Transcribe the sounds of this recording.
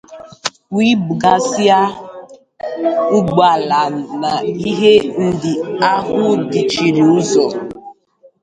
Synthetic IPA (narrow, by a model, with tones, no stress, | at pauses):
wi˦bɡa˨sja˦ | ʊ˦ɡ͡ba˨la˨n̩˨na˨i˦ɦe˦n̩˦dɪ˨a˦ɦʊ˦dɪ˨t͡ʃi˨ɾi˨u˦zɔ˨